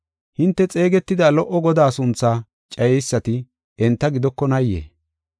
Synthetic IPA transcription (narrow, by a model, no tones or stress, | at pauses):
hɪnt̪ːɛt͡sʼe̞ːɡɛt̪ːɪd̪aːlɔʔːɔɡɔd̪aːsʊnt͡sːaː | t͡ʃʼɐjɛjsːɐt̪ɪ | ʔɛnt̪ːɐɡɪd̪ɔkːɔnɐjːḛː